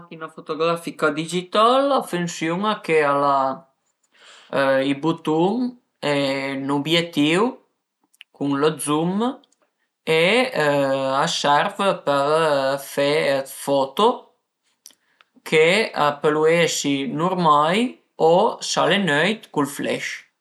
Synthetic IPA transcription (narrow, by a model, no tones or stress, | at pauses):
k̪inafot̪oɡɾafikad̪id͡ʒit̪alafunsjuŋakeala | ibut̪um | ɛnobjet̪ːiw | kuŋləd̪zum | e | asɛɾvəpəfefɔt̪o | kʰeapəluesinuɾmaj | osalenœjt̪kulflɛ̰ʃ